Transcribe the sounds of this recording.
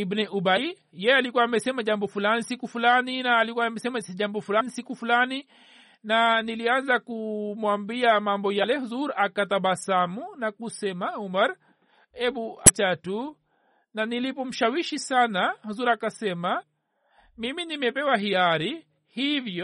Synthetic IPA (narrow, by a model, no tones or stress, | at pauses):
ibnɛʔuba | jɛjɛalikuwaːmɛsɛmaʄambɔfulanisikufulaninaːlikuwamɛsɛmasʄambɔfulanisikufulani | nanilianzakumwambiamambɔjalɛhuzuɾakataɓasamunakusɛmaumaɾ | ɛbuat͡ʃatu | nanilipɔm̩ʃawiʃisanahuzuɾakasɛma | miminimɛpɛwaɦiaɾi | hivjɔ